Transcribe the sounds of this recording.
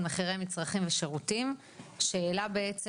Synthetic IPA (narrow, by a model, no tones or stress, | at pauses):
meχiʁejmit͡sʁaχimveʃeʁutim | ʃeːlabe̞et͡s